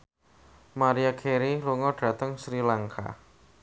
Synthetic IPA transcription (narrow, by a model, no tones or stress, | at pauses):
maɾiakʰeɾiluŋɔɖ̥ä̤t̪əŋsɾilaŋka̰